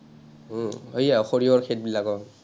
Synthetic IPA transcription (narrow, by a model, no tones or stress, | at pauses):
ɦojaɔxoɹiɔɹkʰet̚bilakɔ